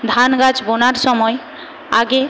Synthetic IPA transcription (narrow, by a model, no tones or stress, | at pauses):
d̪ʱanɡad͡ʒbonaɾsɔmɔj | a̰ɡe